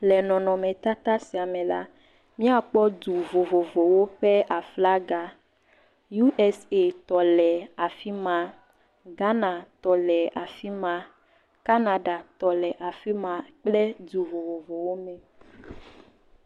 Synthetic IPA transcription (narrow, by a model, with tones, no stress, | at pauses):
lɛ˨nɔ̃˨nɔ̃˨mɛ̃˨t̪a˦t̪a˦si˨a˨mɛ̃˨la̰˦ | mĩ˦a˨k͡pɔ˦du˨vo˨vo˨vo˨wo˦ɸɛ˦ʔa˨fla˦ɡa˦ | ju˦ʔɛ˦se˦t̪ɔ˨lɛ˨a˨fi˦mã˨ | ɡa˦nã˨t̪ɔ˨lɛ˨ʔa˨fi˦mã˦ | ka˦na˦ɖa˨t̪ɔ˨lɛ˨ʔa˨fi˦mã˨k͡plɛ˦d̪u˨vo˨vo˨vo˨wo˦mɛ˨